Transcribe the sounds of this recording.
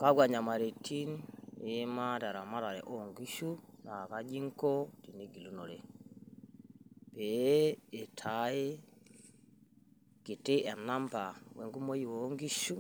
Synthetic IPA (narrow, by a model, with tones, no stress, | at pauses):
ka˦ɡwa˨ɲa˨ma˨ɾe˨tʰi˦ne˦ma˦ta˨ɾa˨ma˦ɾa˨ɾɛ̰˨ʔoŋɡi˦ʃu˦na˨ka˦d͡ʒi˦ŋkɔ˦ti˨ni˦ɡi˨lu˦nɔ˨ɾɛ˨ | pɛː˨ | tʰajɛ˦ | ki˨te˦a˨na˦mpa˨wɛ˨ŋɡu˦mo˦ji˨wo˦ŋɡi˦ʃu˦